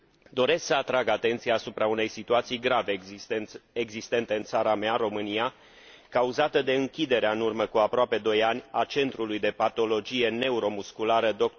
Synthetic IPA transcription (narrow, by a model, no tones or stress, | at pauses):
d̪o̞ɾe̞sksəat̪ɾaɡat̪e̞nt̪sijaːsupɾaune̞jsit̪uat̪sijɡɾave | eɡzist̪e̞nt̪e̞ɨnt̪saɾamearo̞mɨnija | kauzat̪əd̪e̞ɨŋkʲid̪e̞ɾeaɨnurməkuapɾoape̞d̪o̞janʲat͡ʃe̞nt̪ɾulujd̪e̞pat̪o̞lo̞d͡ʒije̞ne̞uɾo̞muskulaɾəd̪ok̪